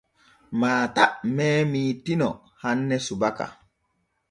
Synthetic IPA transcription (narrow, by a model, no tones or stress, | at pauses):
maːtaʔmɛːmiːtinɔ̰ | hanːɛsubaka̰